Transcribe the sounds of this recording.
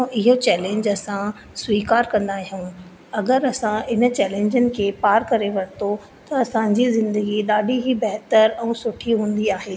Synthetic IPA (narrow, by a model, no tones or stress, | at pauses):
ɪɦot͡ɕɛːlẽːɲd͡ʑɐsã | swiːkaːɾkɐ̃nd̪aːɦijũː | ɐɡəɾɐsãɪnə̆t͡ɕɛːlẽːɲd͡ʑənɪ̆kʰeːpaːɾkɐɾeʋɐɾt̪o | t̪ɐɐsãd͡ʑizɪ̃nd̪əɡiɗaːɖiɦibɛɦt̪əɾɛ̃ːsʊʈʰiɦũːn̆d̪iaːɦeː